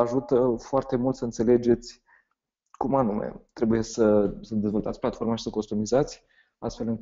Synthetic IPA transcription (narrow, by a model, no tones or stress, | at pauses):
aʒut̪əfoart̪e̞mult̪səɨnt̪se̞le̞d͡ʒe̞t̪sʲ | kumanumḛt̪ɾe̞buje̞səsəd̪e̞zvo̞lt̪at̪sʲplat̪fo̞rmaʃi̥səko̞st̪umizat̪sʲ | a̰st̪fe̞lɨŋk